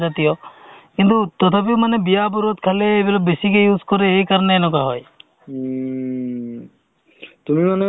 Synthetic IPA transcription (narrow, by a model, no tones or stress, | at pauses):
zat̪ijɔkint̪ut̪ɔt̪ʰapiwmanebijabuɾot̪kʰaleːbilɔbbesikejuzkɔɾeejkaɾɔneːnɔk̬aɦɔj | t̪umimane